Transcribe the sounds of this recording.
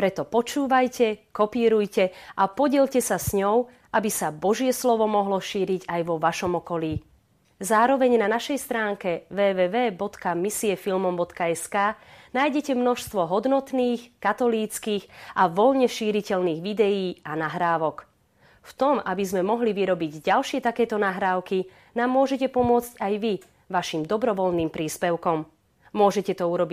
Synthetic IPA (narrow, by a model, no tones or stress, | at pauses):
pɾɛt̪ɔpɔt͡ʃuːʋajcɛkɔpiːɾujcɛʔapɔɟɪɛʎcɛsasɲɔʊ | ʔabisabɔʒɪɛslɔʋɔmɔɦlɔʃiːɾiɟajʋɔʋaʃɔmɔkɔliː | zaːɾɔʋɛɲnanaʃɛjst̪ɾaːŋkɛʋɛːʋɛːʋɛːbɔt̪kamisiɛfilmɔmbɔt̪kaɛskaːnaːjɟɛcɛmnɔʃst̪ʋɔɦɔd̪nɔt̪niːxkat̪ɔliːt͡skiɣʔaʋɔlɲɛʃiːɾicɛlniːɣʋid̪ɛjiːanaɦɾaːʋɔk | ft̪ɔmabizmɛmɔɦliʋiɾɔbiɟɟalʃɪɛt̪akɛːt̪ɔnaɦɾaːʊki | naːmːʊɔʒɛcɛpɔmʊɔt͡scajʋi | ʋaʃimd̪ɔbɾɔʋɔlniːmpɾiːspɛʊkɔmː | ʊɔʒɛcɛt̪ɔuɾɔbi